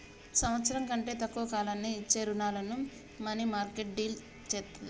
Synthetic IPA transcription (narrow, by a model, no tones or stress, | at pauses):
sɐmʋɐt̪sɐɾɐŋkɐɳʈe̞ːt̪ɐkːuʋɐkaːlɐnːit͡ʃːeːɾunaːlɐnu | mɐnimaːɾkeʈ̚ɖiːl | t͡ʃeː